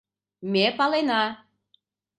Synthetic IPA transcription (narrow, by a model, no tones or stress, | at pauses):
mʲepɑlenɑ